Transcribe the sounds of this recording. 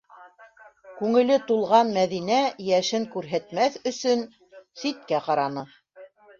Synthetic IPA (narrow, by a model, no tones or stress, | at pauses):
kʉŋɘ̆lɘt̪ulˠʁɑnmæðinæjæʃɘŋkʉɾɦæt̪mæθɵ̆sɵn | sit̪̚kæqɑɾɑnɤ